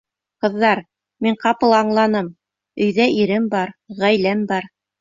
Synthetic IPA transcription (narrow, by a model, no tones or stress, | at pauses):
qɤ̆ðːɑɾ | miɴqɑpɤlˠɑɴlˠɑnɤm | ɵ̆jðæiɾɘmbɑɾʁæjlæmbɑɾ